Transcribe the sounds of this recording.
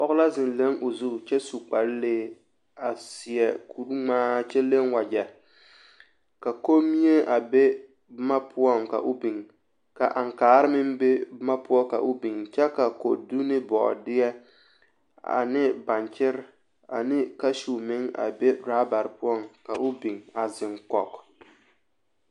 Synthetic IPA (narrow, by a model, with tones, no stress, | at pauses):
pɔ˦ɣʊ˦la˦zɪ˨nle˦ŋʔo˨zu˦˨t͡ʃɛ˦su˨k͡pa˨lleː˦ | a˨sɪ˨ɛ˨kʰu˨ɾu˦ŋ͡maː˦t͡ʃɛ˦le˦ŋwa˨d͡ʒɛ˨ | ka˨ko˦mi˦e˦ʔa˨be˦ | bma˦pʰʊ˦ɔ˦ŋka̰˨ʔʊ˦bi˨ŋ | ka˨ʔa˨ŋkaː˨˦ɾɪ˦mɪ˦mbe˦bɪ˦ma˦pʊ˦ɔ˦ka̰˨ʔʊ˦bi˨ŋt͡ʃɛ˦ka˨ko̰˨du˦nɪ˦bɔ̰˨dɪ˦ɛ˦ | a̰˨nɪ˦ba˨nt͡ʃɪ˦ɾ | a̰˨nɪ˦ka˦ʃu˨mɪ˦ŋa̰˨be˦ɾaː˦ba˨ɾɪ˨pʊ˦ɔ˦ŋka˨ʔʊ˦bi˨ŋa˨zɪ˨ŋkɔ˨k